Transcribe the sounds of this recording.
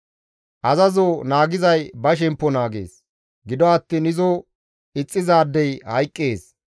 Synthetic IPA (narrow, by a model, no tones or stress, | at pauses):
ʔɐzɐzoːnaːɡɪzɐjbɐʃ̬ɛmpːɔnaːɡḛːs | ɡɪd̪ɔɐt̪ːinɪzo | ɪt͡sʼːɪzaːd̪ːɛjhɐjkʼːeːs